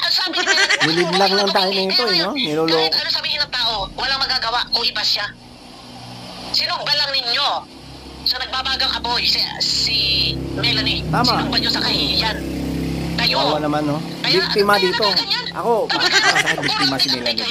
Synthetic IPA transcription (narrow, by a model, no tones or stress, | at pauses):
ʔɐsaːbɪmɪlɪd̪lɐŋlɐŋt̪aːjonɐŋɪt̪o̞ɛnonɪloːloːkpɛɾosɐbiːhɪnːɐŋt̪aːʔowɐlaŋmɐɡaɡɐwaʔkʊŋʔɪbɐsa | sɪnuɡ̚bɐlɐŋnɪɲːo̞ | sɐnɐɡ̚babaːɡɐŋʔɐbojssimɛlɐniaːmsaʔbɐɲosɐkɐhijan | kajaːwɐnɐmanːo | bik̚t̪ɪmɐd̪iːt̪o̞ʔɐ̰ko̞paːkaamɐsaːkɪnbɪk̚t̪ɪmɐsɪnɛlɐli